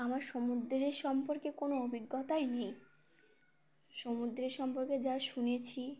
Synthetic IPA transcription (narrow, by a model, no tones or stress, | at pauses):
amaɾʃomud̪ɾɾeɾʃɔmpoɾkekonoobʱiɡːɔt̪aenej | ʃomud̪ɾeɾʃɔmpoɾked͡ʑaʃunet͡ɕʰi